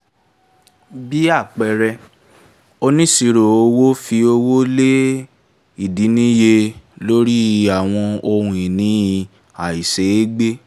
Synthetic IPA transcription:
bi˦a˦˨k͡pɛ˨ɾɛ˧ | o˧nĩ˦si˧ɾo˨o˧wo˦fi˧o˧wo˦le˦ | i˦˨di˨˦nĩ˦je˧lo˦ɾi˦˨a˨w̃ɔ̃˧o˧ɾũ˧i˨nĩ˨˦i˧ | a˨i˨se˨˦e˦ɡ͡be˦

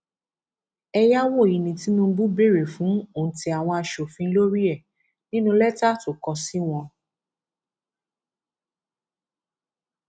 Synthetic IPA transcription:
ɛ˧ja˦w̃ɔ̃˦˨i˨nĩ˨ti˨˦nũ˦˧˦bu˦be˦˨ɾe˨fũ˨˦o˨n̩˨ti˧a˨w̃ɔ̃˧a˧ʃo˨fĩ˧˦lo˦ɾi˦ɛ˦˨ | nĩ˦nũ˧lɛ˦ta˦to˦˨kɔ˧si˦w̃ɔ̃˧

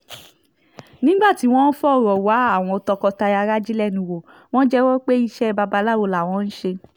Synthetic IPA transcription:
nĩ˦ɡ͡ba˦˨ti˨˦w̃ɔ̃˦n̩˦fɔ˦˨ɾɔ˨wa˨˦a˦˨w̃ɔ̃˧tɔ˧kɔ˧ta˧ja˧ɾa˦d͡ʒi˦lɛ˦˨nũĩ˧wo˨ | w̃ɔ̃˦d͡ʒɛ˦wɔ˦k͡pe˦i˧ʃɛ˦˧ba˧ba˧˦la˦˨wo˨˧˨la˨w̃ɔ̃˨˧˦n̩˦ʃe˧

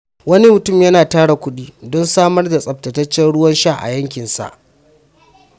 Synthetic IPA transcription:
wɐ˦ni˦mʊ˨tʊ˦˨mjɐ˦naː˨taː˦ɽa˨kʷʊ˦ɗiː˦dɔ˦nsaː˦mɐ˦rda˨sʼɐ˨p̚tɐ˨tɐ˦t͡ʃːɛ˦nɽʊ˦wɐ˦nʃa˦ʔa̰˨jɐ˦ŋk̬ʲɪ˨nsa̰˨ʔ

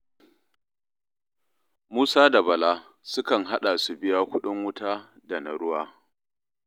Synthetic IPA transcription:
muː˦saː˦da˨bɐ˨laː˦ | sʊ˦kɐ˨ŋɦa˦ɗa˨su˨bɪ˦jaː˦kʷʊ˦ɗʊ˦ŋwʊ˦taː˦ | da˨na˨ɽʊ˦waː˦

